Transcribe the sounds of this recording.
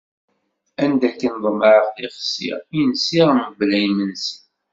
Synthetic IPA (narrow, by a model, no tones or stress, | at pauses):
ænd̪ækːənðˤəməʕəqθiχəsḭʁjənsiʁəməvlæjmənsən